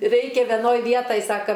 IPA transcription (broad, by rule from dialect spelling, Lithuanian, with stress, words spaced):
ˈrʲɛɪkʲɛ ʋʲɛˈnoːj ˈʋʲiɛtɐj ˈsɑːkɐ